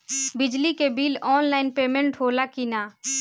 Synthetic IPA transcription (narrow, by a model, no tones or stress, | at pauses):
bɪd͡ʒlikebiːlɔːnlaːɪnpeːmə̃ɳʈɦoːlakinaː